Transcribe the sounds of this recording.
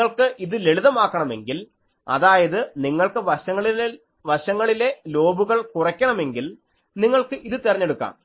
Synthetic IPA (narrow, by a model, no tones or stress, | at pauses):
ɐɭkɨʔiðɨleɭuðɐmaːkːɐɳɐme̞̰ŋɡil | ɐ̰ðaːjɐðɨniŋːɐɭkɨʋɐɐŋːɐɭ | ʋɐɕɐŋːɐɭile̞lo̞ːbuɣɐɭkurɐkʲːɐɳɐme̞ŋɡil | niŋːɐɭkɨʔiðɨt̪irɐɲːeɽukːa̰ːm